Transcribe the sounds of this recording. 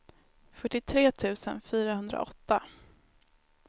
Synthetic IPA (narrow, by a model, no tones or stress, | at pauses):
fœʈːɪt̪ʰɾeːt̪ʰʉ̟ːsənfyːɾahɵnd̪ɾa̰ʔɔt̪ːa